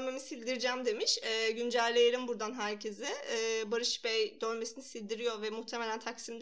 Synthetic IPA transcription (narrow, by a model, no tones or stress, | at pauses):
lʲme̞misilʲd̪iɾid͡ʒæmd̪e̞miʃɛːɟynd͡ʒælʲːe̞jelʲimbuɾd̪anɦæɾcʰezɛːbaɾɯʃbɛjd̪ølʲme̞sinisilʲd̪iɾijoɾvɛmuht̪ʰeme̞lʲænt̪ʰaksimd̪